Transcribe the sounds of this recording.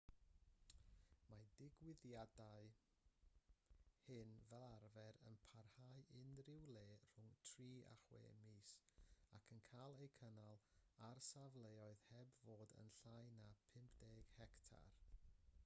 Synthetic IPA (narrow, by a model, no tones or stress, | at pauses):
madɪɡwɪðjadaɨ | hɨnvɛlˠarvɛɾə̰npʰarhaɨʔɪnrɪwlˠeːr̥ʊŋtʰriːʔa̰χwḛːmiːsakʰənkʰalˠejkʰənalˠarsavlˠejɔɨðhɛbvoːdə̰nɬajnapʰɪmpʰdeːɡ̥hɛktʰa̰r